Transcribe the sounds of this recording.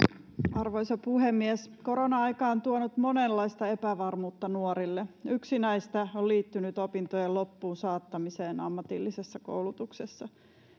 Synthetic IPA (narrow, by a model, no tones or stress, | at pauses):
ɑrʋojsopuhemːiɛsko̞ɾonɑɑjkɑːont̪uonut̪monelːɑist̪ɑe̞pæʋɑrmuːt̪ːɑnuoɾilːeyksinæist̪æolliːt̪ːynyt̪opint̪ojellopːuːnsɑːt̪ːɑmiseːnɑmːɑt̪ilːisesːɑko̰wlut̪uksesːɑ